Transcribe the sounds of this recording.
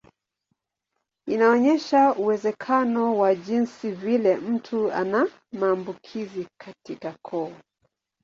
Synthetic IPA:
inaɔɲɛʃauwɛzɛkʰanɔwaʄinsivilɛm̩tʰua̰na | maːmbukʰizikʰatikakʰɔː

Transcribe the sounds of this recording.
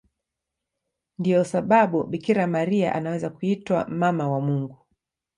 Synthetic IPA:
ndijɔsaɓaɓuɓikiɾamaɾia̰ʔanawɛzakuitwa̰mamawamuŋɡu

